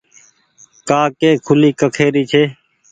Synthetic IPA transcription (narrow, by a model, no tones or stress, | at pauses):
kaːkeːkʰʊliːkəkʰeːɾiːt͡ʃʰeː